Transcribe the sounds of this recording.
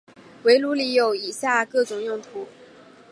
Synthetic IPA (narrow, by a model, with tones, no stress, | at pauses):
we˧˥ɪlu˧˥li˧˥jo˨˩ʊi˨˩ɕja˥˧kɤ˥˩t͡sʊ˨˩ŋjʊ˥˩ŋt̪ʰu˧˥